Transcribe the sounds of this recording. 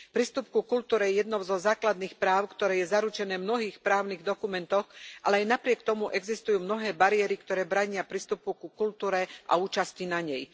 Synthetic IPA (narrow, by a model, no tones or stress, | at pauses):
pɾiːst̪upkukult̪uːɾɛjɛjɛd̪nɔʊzɔzaːklad̪niːxpɾaːʊkt̪ɔɾɛːjɛzaɾut͡ʃɛnɛːmnɔɦiːxpɾaːʊniɣd̪ɔkumɛnt̪ɔxʔa̰lɛajnapɾɪɛkt̪ɔmuʔɛɡzist̪ujuːmnɔɦɛːbaɾɪɛɾikt̪ɔɾɛːbɾaɲɪapɾiːst̪upukukult̪uːɾɛʔa̰uːt͡ʃascinaɲɛj